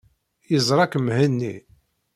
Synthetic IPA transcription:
jəzˤɾˤɑkəmhənːḭ

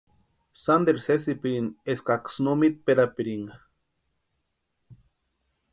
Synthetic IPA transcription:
sand̪eɾses̬ipiɾineskaksnomit̪̚peɾapiɾiŋɡa

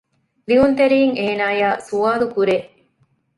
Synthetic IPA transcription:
liunt̪eɾiːŋeːnaːjaːsuaːlukuɾe

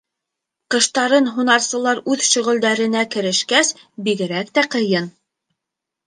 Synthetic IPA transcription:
qɤ̆ʃt̪ɑɾɤnɦunɑɾsɤ̆lˠɑɾʉðʃɵ̆ʁɵ̆ld̪æɾɘ̆nækɘ̆ɾɘ̆ʃkæsbiɡɘ̆ɾækt̪æqɤ̆jɤn

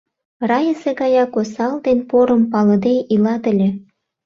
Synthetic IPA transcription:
rɑjə̆seɡɑjɑkosɑld̪enpoɾəmpɑlə̆d̪eʔilɑt̪ə̆lʲĕ

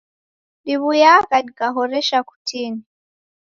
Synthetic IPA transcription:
diβujakadikaɦɔɾɛʃaku̥tini

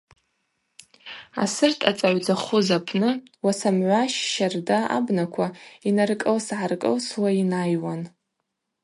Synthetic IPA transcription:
a̰sɨrtʰat͡sʼaʕʷd͡zaχʊzapʰnɨ | wasamʕʷaʃʃardaa̰bnakʷʰainarkʼɨlsʕarkʼɨ̰lswainajwan

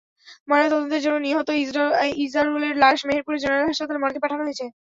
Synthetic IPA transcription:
mɔɾet̪ɔd̪ont̪eɾd͡ʑonːoniɦot̪oizɾizɾaɾuleɾlaʃmeɦeɾpuɾed͡ʑeneɾelɦaʃpat̪olemɔɾkepaʈʰanoɦojet͡ɕʰe

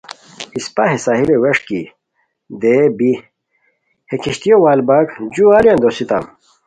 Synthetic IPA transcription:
ispɐɦesaːɦileweʂki | d̪ebi | hekʰiɕt̪ijowaːlbaɡd͡ʑuaːljãnd̪osit̪a̰m

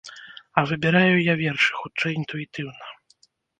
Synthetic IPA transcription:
ɐvɨbʲɛɾajujavʲɛrʂɨ̥xutt͡ʂɛjint̪uit̪ɨwnɐ

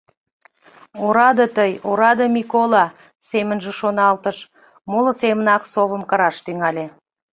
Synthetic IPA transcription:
oɾɑd̪ət̪əjoɾɑd̪əmʲikolˠɑ | semə̆nʒə̆ʃonɑlˠt̪ə̆ʃ | molˠəsemənɑksoβə̆mkɑɾɑʃt̪yŋælʲe

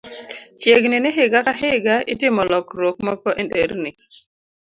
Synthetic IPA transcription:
t͡ʃeɡnɪnɪɦɪɡakaɦɪɡaɪtɪmɔlɔkɾokmɔkɔʔendeɾnɪ

